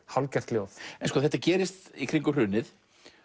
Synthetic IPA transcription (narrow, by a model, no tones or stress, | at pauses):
hawlcɛr̥t̪ljowθɛnskɔːθɛht̪acɛːɾɪst̪ikʰɾiŋkʏr̥ʏːnɪθ